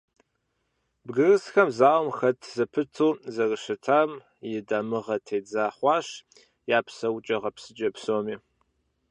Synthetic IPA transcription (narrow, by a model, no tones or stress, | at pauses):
bɡɨrɨsxɐmzaːwmxɐtʰzɐpʰɨtʰuːzɐrɨʃɨtʰaːm | jɪdaːmɨʁɐtʰeːd͡zaːχʷɑːɕ | jaːpʰsɐwt͡ʃʼɐʁɐpsɨd͡ʒʼɐpsoːmiː